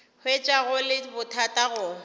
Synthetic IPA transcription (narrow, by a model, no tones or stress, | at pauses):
hwet͡ʃʼaɣʊlɪbʊtʰatʼaɣʊ